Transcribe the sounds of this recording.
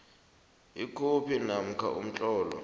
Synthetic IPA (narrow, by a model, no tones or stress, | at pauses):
ikʰopʰinam̩kʰa̰ʔṵm̩t͡ɬʼɔːlɔ̰